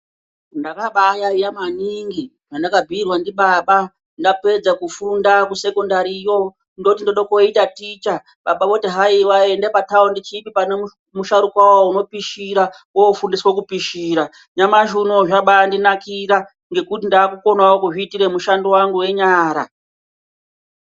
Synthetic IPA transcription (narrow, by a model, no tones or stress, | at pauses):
ndakaɓajaijamaniŋɡi | ʐandakabʱiːrwandiɓaɓa | ndape̞d͡zakufundakuse̞kondaɾijo̞ | ndotindoɗokoitatiːt͡ʃa | ɓaɓaʋo̞tiɦaiwaendepataondit͡ʃipipane | muʃaɾukwawauno̞piʃiɾa | woofundiswokupiʃiːɾa | ɲamaʒuno̞ʐaɓaandinakiɾa | ŋɡe̞kutindaːkuko̞nawokuʐiːtiɾe̞muʃandowaŋɡuwe̞ɲaːɾa̰